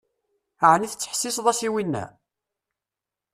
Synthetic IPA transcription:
əʕəniθət͡sːə̥ħsːisðˤæsiwinːæ̰

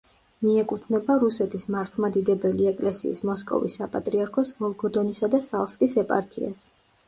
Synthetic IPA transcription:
miɛkʼut̪ʰnɛbaɾusɛt̪ʰismaɾt̪ʰlˠmad̪id̪ɛbɛliɛkʼlɛsḭːsmɔskʼɔ̰vḭsːapʼat̪ʼɾiaɾkʰɔsmɔlˠɡɔd̪ɔnisad̪asalˠskʼisɛpʼa̰ɾkʰḭa̰s

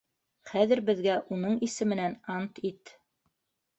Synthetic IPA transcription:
χæðɘ̆ɾbɘ̆ðɡæʔunɤɴisɘ̆mɘ̆nænɑnt̪it̪

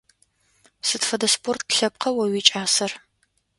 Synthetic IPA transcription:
sɨtfɐdɐspʰort̚ʰɬɐp̚qʰɐwɐwiːt͡ʃʼaːsɐr

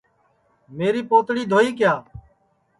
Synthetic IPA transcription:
meːɾiːpoːt̪ɽiːd̪ʱoːiːkɪjaː

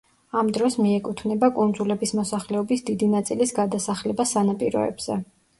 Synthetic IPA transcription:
amd̪ɾɔsmiɛkʼut̪ʰvnɛbakʼund̪zulɛbismɔsaχlɛɔbisd̪id̪inat̪sʼilisɡad̪asaχlɛbasːanapʼiɾɔ̰ɛ̰bz̥ɛ

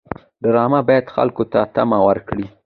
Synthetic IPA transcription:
ɖ̪aɾɑmabɑjad̪xa̰lkot̪at̪amawaɾkɽi

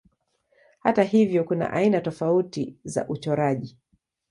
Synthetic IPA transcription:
hataɦivjɔkuna̰ʔainatɔfautiza̰ʔut͡ʃɔɾaʄi

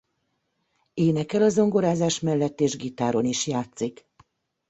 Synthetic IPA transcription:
eːnɛkɛlɒzoŋɡo̞ɾaːzaːʃmɛlːɛt̪ːeːʒɡit̪aːɾo̞niʃjaːt̪sik

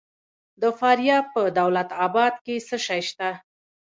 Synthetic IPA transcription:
d̪əfɑɾjɑpəd̪awlat̪ɑbɑd̪̚kesəʃɑjʃt̪a

